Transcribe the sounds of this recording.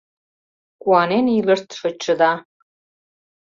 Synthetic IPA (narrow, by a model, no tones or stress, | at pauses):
kuɑnenilərt̪ʃə̆t͡ɕːə̆d̪ɑ